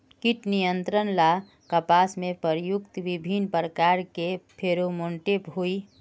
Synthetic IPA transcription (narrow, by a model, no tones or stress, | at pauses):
kiʈnijənt̪ɾənla | kəpasmepəɾjukt̪ʋibʱinpɾəkaɾkepʰeɾomoɳʈepɦui